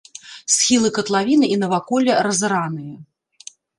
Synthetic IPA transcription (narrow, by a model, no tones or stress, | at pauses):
sxʲilˠɨkɐt̪lˠavʲinɨʔinɐvakɔlʲɐɾɐzɨɾanɨjɐ